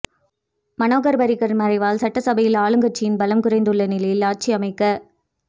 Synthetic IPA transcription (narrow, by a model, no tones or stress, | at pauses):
mɐnoːɣɐɾbɐɾɪɣɐɾmɐɾɐɪʋaːlsɐʈːɐsɐbɐjɪlaːɭɯŋɡɐʈ̚t͡ʃːɪjɪnbɐlɐmkɯrɐɪnd̪ɯɭːɐnɪlɐjɪlaːʈ̚t͡ʃiɐmɐɪkːɐ